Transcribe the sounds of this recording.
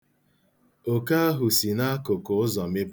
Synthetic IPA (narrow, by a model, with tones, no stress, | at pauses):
o˨ka˦a˦ɦʊ˨si˨na˦kʊ˨kʊ˨ʊ˦zɔ˨me˦p